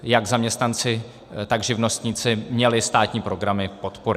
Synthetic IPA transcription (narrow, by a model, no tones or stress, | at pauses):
jaɡzamɲɛst̪nant͡sɪ | t̪aɡʒɪvno̞st̪ɲiːt͡sɪmɲɛlɪst̪aːt̪ɲiːpɾo̞ɡɾamɪpo̞t̪poɾ